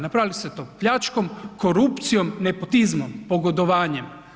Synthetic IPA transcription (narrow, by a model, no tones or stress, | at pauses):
napɾaːliset̪oːpʎat͡ʃkomkoɾupt̪sijomnepot̪izmompoɡod̪oʋaːɲem